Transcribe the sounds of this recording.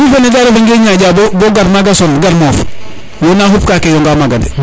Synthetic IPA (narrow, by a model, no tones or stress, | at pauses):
ifanedaɾefeŋɡeːɲaɟaboboɡaɾmaɡasonɡaɾmoːf | jonaɦupkakejoŋɡamaɡadḛ